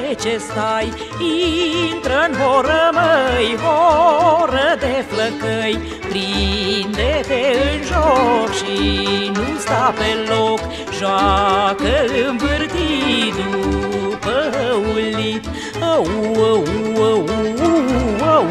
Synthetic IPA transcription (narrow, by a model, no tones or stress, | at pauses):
t͡ʃest̪aj | int̪ɾəɨnɦoɾəməjɦoɾəd̪efləkəj | pɾind̪et̪eɨnʒokʃinust̪apelok | ʒowakəɨnvɨrt̪id̪upəulːit̪ | əuuwəuəu | wə